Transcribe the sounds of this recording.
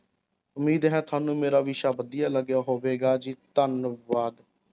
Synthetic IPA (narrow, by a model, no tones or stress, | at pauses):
ʊmiːd̪ɦɛ̃ːt̪ʰʊaːnũːmeːɾaːʋiːʃaːbəd̪ijaːləɡjaːɦoːʋeːɡaːd͡ʒiːt̪ənʋaːd̪